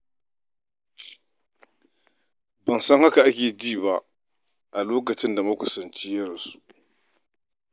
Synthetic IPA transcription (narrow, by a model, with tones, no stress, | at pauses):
bɐ˨nsɐ˦ŋha˦ka˨ʔa˦kʲeː˨diː˦˨ba˦ | ʔa˨loː˦k̬ɐ˨t͡ʃɪ˦nda˨mɐ˦kʷʊ˨sɐ˨nt͡ʃi˦jɐ˦ɽɐ˨su̥˦ʔ